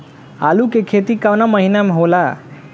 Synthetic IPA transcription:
a̰lukekʰet̪ikawnaməɦinam̤əwla

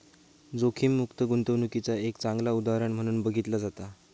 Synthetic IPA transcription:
d͡zokʰiːmːukt̪əɡunt̪əʋnukit͡saekt͡saŋɡlaud̪aɾəɳm̤əɽ̃uːnbəɡʱit̪lad͡zat̪a

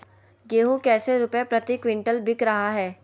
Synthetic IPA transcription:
ɡeːɦũkɛːseɾʊpepɾɐt̪ikʋɪ̃ɳʈəlbʱɪkɾɐɦaɦɛː

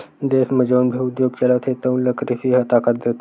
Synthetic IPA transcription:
d̪esməd͡ʑəʋənbʱiud̪joɡ̚t͡ɕəlat̪ʰet̪əwnləkɾisiɦət̪akat̪̚d̪et̪

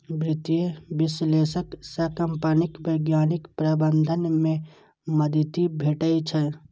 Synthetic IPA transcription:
bɾɪt̪iebɪsleːʃəksəkəmpanɪkbəɪɡjaːnɪkpɾəbə̃nd̪ʱənmẽ | məd̪ʱt̪ibʱeːʈəit͡ʃʰɛ

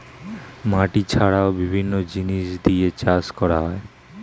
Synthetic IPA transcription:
maʈit͡ɕʰaɽaobibʱinːod͡ʑiniʃd̪iet͡ɕaskɔɾaɦɔe

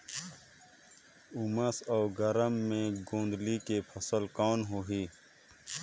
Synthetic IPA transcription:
uməsɔːɡɐɾəmːẽɡõːnd̪likepʰɐsəlkaːnɦoɦiː

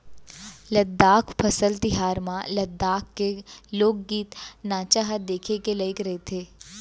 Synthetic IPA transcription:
ləd̪ːaːkpʰɐsəlt̪ɪɦaːɾmãləd̪ːaːkːeloːkɡiːt̪naːt͡ʃaɦad̪eːkʰekelɐɪkɾɐɦet̪ʰeː

